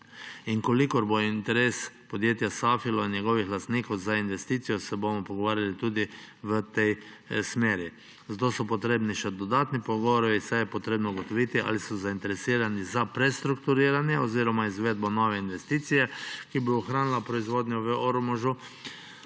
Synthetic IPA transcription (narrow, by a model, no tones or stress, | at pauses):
iŋkɔlikɔɾbojint̪ɛɾespɔd̪jeːt̪jasaːfilɔinjɛɡɔʋixlast̪niːkɔwzainʋɛst̪iːt̪sijɔsɛbomɔpɔɡoʋaːɾjalit̪uːd̪i | ʋət̪ej | smeːɾi | zd̪osɔpɔt̪ɾeːbniʃɛd̪ɔd̪aːt̪nipɔɡɔʋɔɾɔʋisajɛpɔt̪ɾeːbnɔuɡɔt̪ɔʋiːt̪iʔa̰lisɔzaint̪ɛɾɛsiːɾanizapɾɛst̪ɾukt̪uɾiːɾanjɛoziːɾɔmaizʋed̪̚bɔnɔʋɛinʋɛst̪iːt̪sijɛkibouxɾaːnilapɾɔizʋoːd̪ɲɔʋəoɾmɔʒu